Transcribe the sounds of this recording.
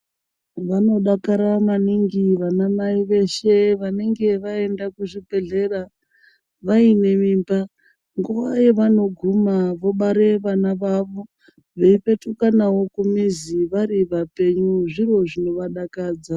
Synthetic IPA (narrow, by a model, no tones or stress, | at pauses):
ʋano̞ɗakaɾamaniŋɡiʋanamaiʋe̞ʃe̞ʋane̞ŋɡe̞ʋae̞ndakuʐibʱe̞ɮe̞ra | ʋaine̞miːmba | ŋɡuʋaje̞ʋano̞ɡʱumaʋo̞ɓaɾe̞ʋanaʋaʋo | ʋe̞ipe̞tukanawo̞kumiziʋaɾiʋape̞ɲuʐiro̞ʐino̞ʋaɗakaːd͡za